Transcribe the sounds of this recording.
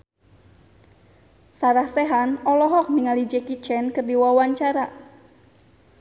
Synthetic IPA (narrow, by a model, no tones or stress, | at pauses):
saɾahsɛɦanɔlɔɦɔk̚niŋalid͡ʒɛkit͡ʃɛnkɨrdiwawaɲt͡ʃaɾa